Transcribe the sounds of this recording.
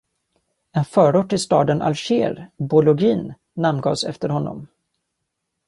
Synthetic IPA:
ɛnfœːɾʊʈːɪst̪ɑ̰ːd̪ənʔa̰lɕeːɾbʊlʊɡiːnː | amnɡɑːsɛ̰ft̪əɾhɔnːɔ̰m

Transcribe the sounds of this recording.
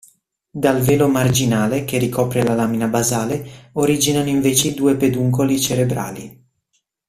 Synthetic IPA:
d̪alveːlomard͡ʒinaːlekerikʰɔːpɾelalaːminabazaːleoɾid͡ʒinanoiɱveːt͡ʃeid̪uːeped̪uŋkolit͡ʃeɾebɾa̰ːli

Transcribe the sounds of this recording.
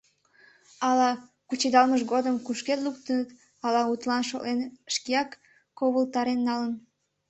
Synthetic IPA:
ɑlɑ | kut͡ɕed̪ɑlməʃɣod̪əmkuʃket̪luk̚t̪ənət̪ | ɑlɑut̪lɑnʃo̰lenʃkijɑkː | oβəlt̪ɑɾenːɑlən

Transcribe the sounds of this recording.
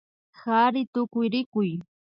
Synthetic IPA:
xaɾɪt̪ʊkʊjɾɪkʊj

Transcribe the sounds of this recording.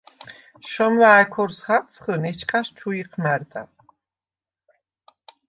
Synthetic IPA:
ʃɔmwaːkʰɔrsχaqʼt͡sʰχənɛt͡ʃʰkʼaʃt͡ʃʰuiqʰnard̪a̰

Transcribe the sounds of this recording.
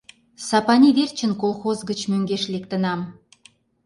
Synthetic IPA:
sɑpɑnʲiβert͡ɕə̆nkolˠxozɡət͡ɕmøŋɡeʃlek̚t̪ə̆nɑm

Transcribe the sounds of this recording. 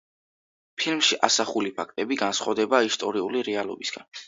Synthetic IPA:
pʰilmʃiʔasaχulipʰak̚ʰt̪ʼɛbiɡansχwavd̪ɛbaist̪ʼɔɾiuliɾɛalˠɔ̰bisɡ̥an

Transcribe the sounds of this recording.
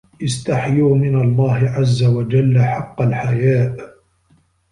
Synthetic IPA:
ʔɪst̪aħjuːmɪnalˤːɑːɦɪʕazːawad͡ʒalːaħɑqːɑlħajaːʔ

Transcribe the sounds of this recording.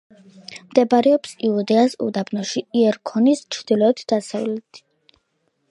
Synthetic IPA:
md̪ɛbaɾɛɔpsiud̪ɛasṵd̪abnɔʃiiɛɾkʰɔnist͡ʃʰɾd̪̥ilɔɛt̪ʰd̪̥asavlɛt̪ʰi̥

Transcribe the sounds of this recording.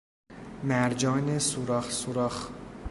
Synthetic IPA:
mæɾd͡ʒɒːnesuɾɒːxsuɾɒːx

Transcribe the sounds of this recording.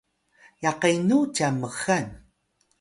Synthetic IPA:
jaqajnut͡ʃaməɣan

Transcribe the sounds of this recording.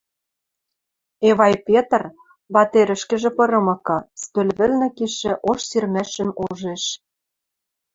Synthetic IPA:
eβɑjpʲet̪r | βɑt̪eɾʲɘ̆ʃkɘ̆ʒĕpɤ̆ɾɤ̆mɤ̆kɤ̆st̪ø̆lβɘ̆lnɘ̆kiʃɘ̆ʔoʃsirmæʃɘ̆moʒeʃ

